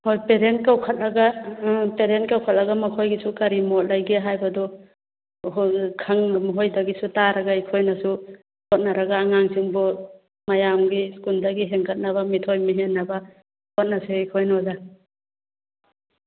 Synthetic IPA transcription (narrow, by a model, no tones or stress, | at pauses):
hojpeɾent̚kawkʰat̚laɡapeɾentkawkʰat̚laɡamakʰojɡisukaɾimɔt̚lajɡiɦajbadɔ | kʰaŋmɦojdaɡisutaɾaɡaikʰojnasu | hʰɔt̚naɾaɡaːŋaŋsiŋbɔ | majamɡiskundaɡiɦeŋkʰat̚naβamitʰojmiɦenːaba | kʰɔt̚nasuikʰojnɔza